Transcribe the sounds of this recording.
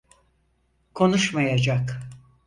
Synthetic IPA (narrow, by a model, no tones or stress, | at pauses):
kʰo̞nuʃmajad͡ʒak